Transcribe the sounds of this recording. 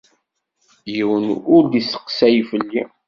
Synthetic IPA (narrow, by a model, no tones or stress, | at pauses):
jiwənʊɾd̪isə̥qsæjfəlːi